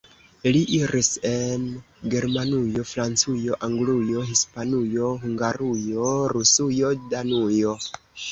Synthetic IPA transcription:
liʔiɾise̞n | ɡe̞ɾmanujo̞fɾant͡sujo̞ʔaŋɡlujo̞ɦispanujo̞ɦuŋɡaɾujo̞ɾusujo̞danujo̞

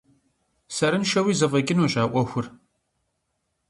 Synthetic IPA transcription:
sɐɾɨnʃɐwiːzɐvɐɡʲɪnoɕʼaːʔʷɔxʷʊr

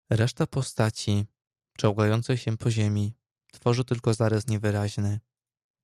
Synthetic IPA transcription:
ɾɛʂt̪apɔst̪at͡ɕi | pt͡ʂawɡajɔnt̪sɛjɕɛpɔʑemʲi | t̪fɔʐɘt̪ɘlkɔzaɾasɲɛvɘɾaʑnɘ

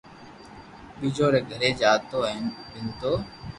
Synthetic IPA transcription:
ɓiːd͡ʒoːɾeːɡʱəɾeːd͡ʒaːt̪oːɛːnɓɪnt̪oː

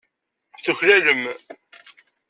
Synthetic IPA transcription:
θʊçlæləm

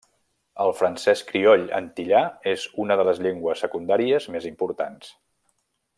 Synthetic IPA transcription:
əlˠfɾənsɛskɾiɔʎə̰nt̪iʎaezunəðələzʎeŋɡwəsːəkund̪aɾiəzmezimpuɾt̪a̰ns

